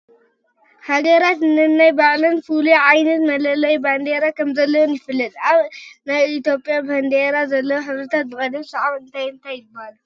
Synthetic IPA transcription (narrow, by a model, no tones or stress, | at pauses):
haɡɐɾat̪nɨnajbaʕlɐnfulujʕajnɐt̪mɐlɐlɐjband̪eɾakʰɐmzɐlːɐwonjɪfɨlːɐt̪aβnajit̪jo̞pʼːjaband̪eɾazɐlːɐwoħɨβɾɨt̪ʰat̪̚bɨkʼɐd̪ɐmsɐʕaβɨnt̪ʰajɨnt̪ʰajːɨbːalu